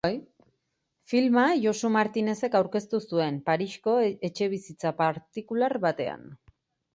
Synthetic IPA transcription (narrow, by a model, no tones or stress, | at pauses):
filmaʝosumaɾt̪ine̞se̞kawɾke̞st̪usue̞mpaɾiʃko̞e̞t͡ʃe̞β̞isit͡sapaɾt̪ikulaɾβat̪e̞a̰n